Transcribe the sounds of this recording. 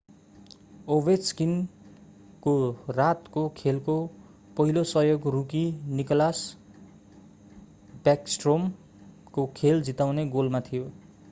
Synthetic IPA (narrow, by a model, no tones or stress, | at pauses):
obeskin | korat̪kokʰelko | pʌɦilosʌjoɡrukinikʌlas | baksʈrom | kokʰeld͡zit̪awneɡolmat̪ʰijo